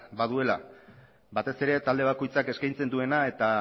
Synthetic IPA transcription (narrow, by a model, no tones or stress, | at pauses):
baðue̞la | βat̪e̞se̞ɾe̞t̪ald̪e̞β̞ako̞jt͡sake̞skajnt͡se̞nd̪ue̞nae̞t̪a